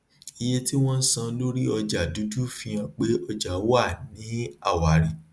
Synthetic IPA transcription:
i˧je˦ti˦w̃ɔ̃˦n̩˦sã˧˦lo˦ɾi˦ɔ˧d͡ʒa˨du˨˦du˦fĩ˧j̃ã˧k͡pe˦ʔɔ˧d͡ʒa˨˦wa˦˨nĩ˨˦a̰˦˨wa˨ɾi˨

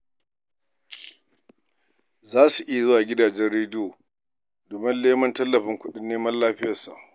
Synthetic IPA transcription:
zaː˦su˨ʔɪ˦ja˨zʊ˦waː˨ɡʲɪ˦daː˨d͡ʒɛ˦rɽeː˦dɪ˦joː˨ | doː˨mɪ˦nleː˦mɐ˦ntɐ˦lːɐ˨ɸɪ˦ŋkʷʊ˦ɗɪ˦nːeː˦mɐ˦llaː˦ɸɪ˦jɐ˨sa̰˨ʔ

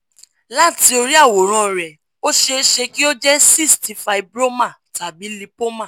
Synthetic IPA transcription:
la˦ti˧o˧ɾi˦a˦˨wo˨ɾ̃ã˧˨ɾɛ˨ | o˦ʃe˧˦ʃe˧ki˦o˦d͡ʒɛ˦si˦˨sti˨˧fa˧i˨bɾo˦mã˦˨ta˨bi˨˦li˧po˦mã˦˨

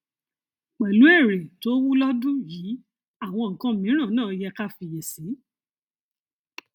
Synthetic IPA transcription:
k͡pɛ˨lu˨˦ɛ˦˨ɾe˨to˦wu˦lɔ˦dũ˦jiː˨˦ | a˦˨w̃ɔ̃˧ŋ̩˨kã˧˦mĩ˨˦ɾ̃ã˦˨nãː˦˨˧jɛ˧ka˦fi˧jɛ˨si˨˦

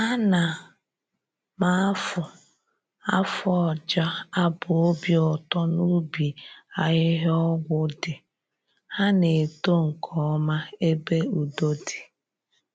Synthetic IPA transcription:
a˦na˨ | ma˨˦fʊ˨ | a˦fʊ˦ɔ˨d͡ʒa˦a˦bʊ˨o˦bjɔ˨tɔ˦nu˦bi˨a˨ɣɪ˦ɦɔ˦ɡʷʊ˦dɪ˨ | ha˦ne˨to˦ŋ̩˨kʰɔ˨˦ma˦e˦be˦u˨do˦di̥˨

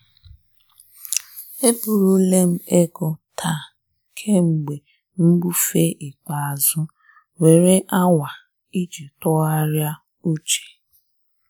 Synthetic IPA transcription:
e˦bu˨ɾu˦le˦m̩˦e˦ɡʊ˨tʰa˦˨ | kʰe˦ŋ͡m̩˨ɡ͡be˨ | ŋ̩˦ɡ͡bu˦fe˦ʔi˨k͡pa˨a˨zʊ˦ | we˨ɾe˦ʔa˦wa˨ | i˦d͡ʒe˨tʊ˦ɣa˦ɾja˦ | u˦t͡ʃe̥˨

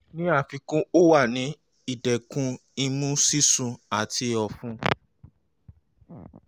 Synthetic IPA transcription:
nĩ˦a˦˨fĩ˧kũ˦o˦wa˦˨nĩ˨˦ | i˦˨dɛ˨kũ˧˦i˧mũ˦si˦sũ˧a˨ti˧ɔ˧fũ˧˦

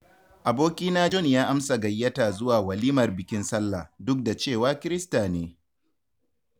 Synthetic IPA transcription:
ʔa˨boː˦kʲiː˦naː˦d͡ʒɔ˦njaː˦ʔa˦msa˨ɡɐ˨jːɐ˦ta˨zʊ˦waː˨wɐ˨liː˦mɐ˨rbɪ˨kʲɪ˦nsɐ˦lːa˨dʊ˦k̚da˨t͡ʃeː˦˨waː˦kʲɪ˦ɾɪ˦staː˨neː˨

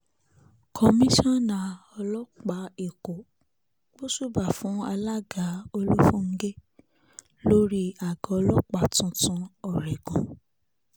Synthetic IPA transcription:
kʰɔ˧mĩ˦ʃɔ̃˦nã˨ɔ˧lɔ˦k͡pa˨˦e˨ko˨ | bo˦su˦˨ba˨fũ˨˦a˧la˦ɡa˨˦o˧lu˦fũ˦˨ŋ̩˦ɡe˦ | lo˦ɾi˦a˨ɡɔ˨˧lɔ˦k͡pa˨tũ˧˦tũ˧˦ɔ˦˨ɾɛ˨ɡũ˨

